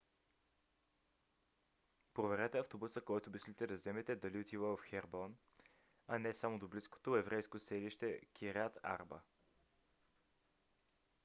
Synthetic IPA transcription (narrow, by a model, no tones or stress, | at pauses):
pɾovɛɾɛt̪ɛɐft̪obusəkɔjt̪obislit̪ɛd̪ɐzɛmɛt̪ɛd̪ɐliot̪ivəvɐfxɛɾbɔn | ɐnɛsamod̪oblisko̥t̪oɛvɾʔɛjskosɛliʃt̪ɛkʰʲiɾat̪a̰ɾbə̰